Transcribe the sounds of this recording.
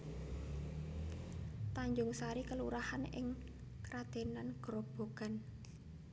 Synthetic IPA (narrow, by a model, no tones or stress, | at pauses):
t̪aɲd͡ʒʊŋsaɾikəluɾahanɪ̰ŋ | kɾad̪̥e̤nanɡ̥ɾɔb̥o̤ɡ̥a̤n